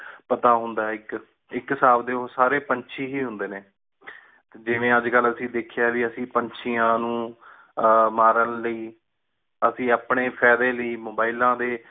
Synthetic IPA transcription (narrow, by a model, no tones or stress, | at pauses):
pət̪aːɦʊnd̪aːɪk | ɪkːsaːbd̪eːosaːɾeːpəɲt͡ʃʰiːɦiːɦʊ̃nd̪eːneː | t̪ed͡ʒɪʋẽːəd͡ʒkələsĩːd̪ekʰɪjaːd͡ʒiəsĩːpəɲt͡ʃʰijãːnũː | maːɾənləiː | əsĩːaːpɳeːpʰɛːd̪eːləiːmoːbaːɪlãːd̪eː